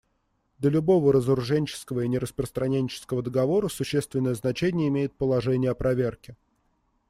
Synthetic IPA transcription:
d̪ʲəlʲʊbo̞vəɾəzəɾʊʐɛnʲt͡ɕɪ̥skəvəinʲɪɾəspɾəst̪ɾɐnʲenʲt͡ɕɪ̥skəvəd̪əɡɐvo̞ɾəsʊɕːest̪vʲɪnːəjəznɐt͡ɕenʲɪjəɪmʲejɪt̪̚pəlˠɐʐɛnʲɪjəɐpɾɐvʲerkʲɪ

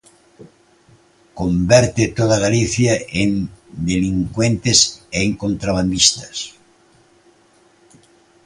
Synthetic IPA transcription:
kombɛɾt̪et̪oðaɣaliθjaend̪eliŋkwent̪eseŋkõnt̪ɾaβand̪ist̪ḁs

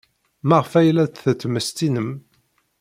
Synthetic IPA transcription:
mæʁfæjlæt͡sθət͡sːməst̪inəm

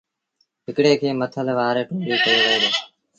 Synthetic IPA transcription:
ɦɪkɽeːkʰeːmət̪ʰəlʋaːɾeːʈoːɾiːkəjoːʋəɦeːd̪oː

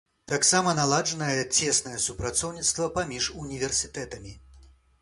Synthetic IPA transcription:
t̪aksamɐnalˠaʐɐnɐjɐt͡sʲɛsnɐjɐsupɾat̪sɔwnʲit̪st̪vɐpamʲiʂunʲivʲɛrsʲɨt̪ɛt̪ɐmʲi

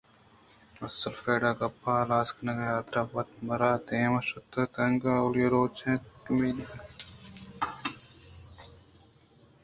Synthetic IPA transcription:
ɐsɐlfeːɖaːkɐpːaːlaːsknɐkɐjaːt̪ɾaːpɐt̪mɐɾaːt̪eːmɐʃɐt̪ːɐt̪ɐŋɡaːoljɐɾoːt͡ʃʰẽːkmiːniɐ

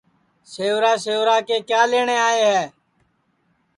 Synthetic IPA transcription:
seːʋɾaːseːʋɾaːkeːkjaːleːɳeːaːeːɦɛː

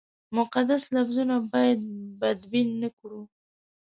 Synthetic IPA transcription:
mʊqad̪aslafzunabɑjad̪̚bad̪binːəkɽu

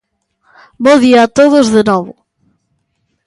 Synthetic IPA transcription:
bõðiɐːt̪oðʊzðɨnɔβʊ

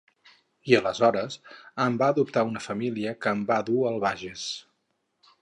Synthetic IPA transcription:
iələzɔɾəsəmbaəðup̚t̪aunəfəmiliəkəːmbaðuəlˠβaʒes

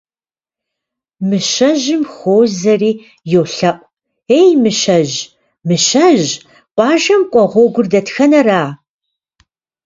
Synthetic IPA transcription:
mɨʃɐʒɪmxʷoːwzɐriː | jowɬɐʔʷʼ | ejmɨʃɐʑ | mɨʃɐʑ | qʷʼɑːʒɐmkʷʼɔʁʷɔɡʷʊrdɐtxɐnɐraː

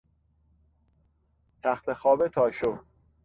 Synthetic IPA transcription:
t̪ʰæxt̪ʰexɒːbet̪ʰɒːʃo

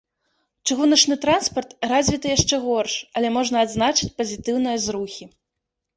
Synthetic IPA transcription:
t͡ʂɨɣunɐt͡ʂnɨt̪ɾanspɐrt̪razʲvʲit̪ɐjaʂt͡ʂɛɣɔrʂɐlʲɛmɔʐnɐːd̪znat͡ʂɨt͡sʲpɐzʲit̪ɨwn̪ɨjɐzɾuxʲi

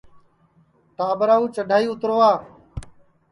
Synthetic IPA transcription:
t̪aːbəɾaːuːt͡ʃəɖʱaːiːʊt̪ɾoːaː

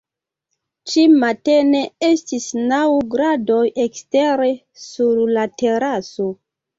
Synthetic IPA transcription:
t͡ʃimate̞ne̞estisnawɡɾado̞jeksteɾe̞ | suɾlateɾaso

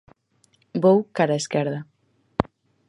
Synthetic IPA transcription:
bowkaɾaeskɛɾða

